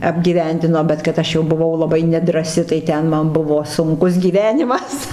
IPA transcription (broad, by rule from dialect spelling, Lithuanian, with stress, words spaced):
ɐbʲɡʲiːˈʋʲɛnʲdʲɪnoː bʲɛt kɐt ˈɐʃ jɛʊ bʊˈʋɐʊ lˠɐˈbɐɪ nʲɛdrɑːˈsʲɪ tɐɪ ˈtʲɛn ˈmɐn ˈbʊʋoː sʊŋˈkʊs ɡʲiːˈʋʲæːnʲɪmɐs